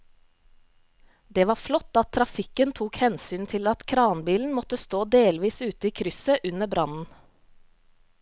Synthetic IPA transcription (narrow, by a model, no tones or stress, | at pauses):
d̪eːʋɑːflɔt̪ɑt̪ʰɾɑfɪkənt̪ʰuːkhɛnsyːnt̪ʰɪlɑt̪kʰɾɑːnbiːln̩mɔt̪əst̪oːd̪eːlʋiːsʉːt̪əiːkʰɾʏsəʔʉnəbɾɑnn̩